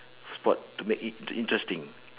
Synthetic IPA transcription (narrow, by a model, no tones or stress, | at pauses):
spɔttːumekʔḭ̃ntɹɛstĩŋ